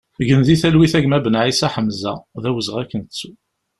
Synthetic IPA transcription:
ʝənðiθælwiθæʝmæbənʕisæħəmzæ̰ðæwəzʁækːənt͡sːu

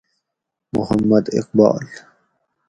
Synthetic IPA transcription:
mʊhɐmːɐd̪ɪ̰q̚bɑ̰ːl

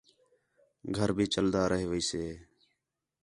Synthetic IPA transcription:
ɡʱəɾbʱiːt͡ʃəld̪aːɾəɦeːʋəiːseː

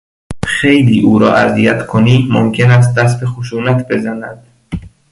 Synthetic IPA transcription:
xejliːʔuːɾɒ̰ːʔæzijæt̪kʰoniːmomkʰʲe̞næs̬t̪̚d̪æs̬t̪bexoʃuːnæt̪ʰbe̞zænæd̪̥

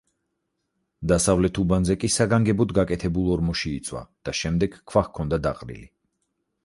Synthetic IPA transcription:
d̪asavlɛt̪ʰubanzɛkʼisaɡaŋɡɛbɔd̪ɡakʼɛt̪ʰɛbulˠɔɾmɔʃiit̪sʼwa̰d̪̥aʃɛmd̪ɛɡ̥kʰːvaxkʰːɔnd̪ad̪aqʼɾḭli

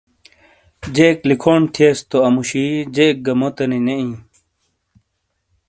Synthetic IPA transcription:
d͡ʑeklikʰoːnt̪ʰieːst̪oɐmuɕid͡ʑek̚ɡɐmot̪ɐnineĩ

